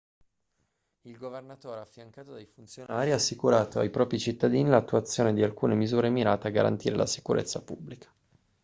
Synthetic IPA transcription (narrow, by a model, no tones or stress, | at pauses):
ilɡovernat̪oːɾeafːjaŋkaːt̪od̪ajfunt̪sjonaːɾiasːikuɾaːt̪oajpɾɔːpɾit͡ʃit̪ːad̪iːnilat̪ːuat̪sːjoːned̪ialkuːnemizuːɾemiɾaːt̪eaɡa̰ɾa̰nt̪iːɾelʔa̰si̥kuɾḛt̪sːapubːlikʰḁ